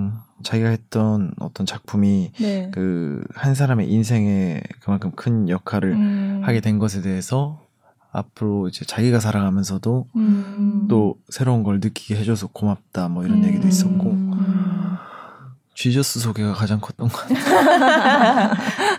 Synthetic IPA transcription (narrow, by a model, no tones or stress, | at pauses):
t͡ɕaɡiɡaɦe̞t̚t͈ʌnʌ̰t͈ʌnt͡ɕak̚pʰumikɯhans̬ʰaɾame̞̰ʔins̬ʰe̞ŋe̞kɯmankʰɯmkʰɯnjʌkʰaɾɯɭhaɡe̞dwe̞nɡʌs̬ʰe̞de̞ɦesʰʌ | a̰pʰɯɾoid͡ʑe̞t͡ɕaɡiɡasʰaɾaɡamjʌns̬ʰʌdo | t͈osʰe̞ɾounɡʌɭnɯk͈iɡeɦe̞d͡ʑosʰʌkomap̚t͈amwʌiɾʌnje̞ɡidois͈ʌk͈o | t͡ɕɥid͡ʑʌs͈ɯsʰoɡeɡakad͡ʑaŋkʰʌt͈ʌnɡt